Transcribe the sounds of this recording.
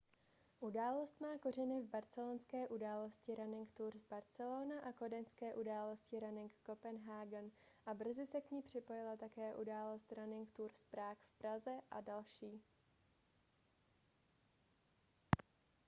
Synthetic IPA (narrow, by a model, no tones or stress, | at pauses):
ʔudaːlo̞st̪maːko̞r̝ɛnɪvbaɾt͡sɛlonskɛːʔudaːloscɪɾanɪŋkt̪uːɾzbaɾt͡sɛloːnaʔako̞dɛnskɛːʔudaːlo̞scɪɾanɪŋkːo̞pɛnɦaːɡɛnʔabr̩zɪsɛkɲiːpr̝̥ɪpo̞jɪlat̪akɛːʔudaːlo̞st̪ɾanɪŋkt̪uːɾspɾaːkfpɾazɛʔa̰dalʃiː